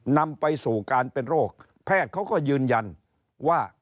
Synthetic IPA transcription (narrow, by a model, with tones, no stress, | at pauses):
na˧mpa˧jsuː˨˩kaː˧npe˧nɾoː˥˩k̚ | pʰɛː˥˩t̪̚kʰa˦˥wkɔː˥˩jɯː˧nja˧n | waː˥˩